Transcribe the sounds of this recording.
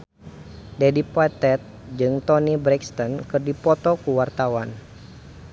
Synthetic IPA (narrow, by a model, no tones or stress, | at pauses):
dɛdipat̪ɛt̪̚d͡ʒɨŋt̪ɔnibɾɛkst̪ɔnkɨrdipɔt̪ɔkuwart̪awan